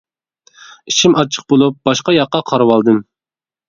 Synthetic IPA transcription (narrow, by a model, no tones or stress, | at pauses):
it͡ʃʰimʔɑt͡ʃʰə̥q̚bolˠup̚b̥ɑʃqɑjɑqːɑqʰɑɾwɑlˠd̪ɨm